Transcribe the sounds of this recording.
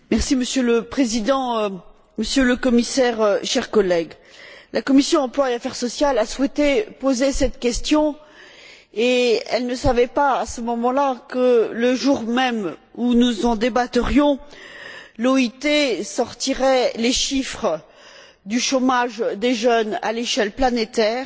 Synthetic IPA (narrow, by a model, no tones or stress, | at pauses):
mɛʁsiməsjøləpχezid̪ɑ̃ | məsjøləkɔmisɛʁʃɛʁkɔlɛɡ | lʔakɔmisjɔ̃ɑ̃plwaeafɛʁsɔsjalaswɛt̪epozesɛt̪kʲɛst̪jɔ̃ | eɛ̰lnəsavɛpaːsəmɔmɑ̃lakələʒuʁmɛmunuzɑ̃d̪ebat̪əʁjɔ̃ | lɔit̪esɔʁt̪iʁɛleʃifχə | d̪yʃomaʒd̪eʒœna̰leʃɛlplanet̪ɛːʁ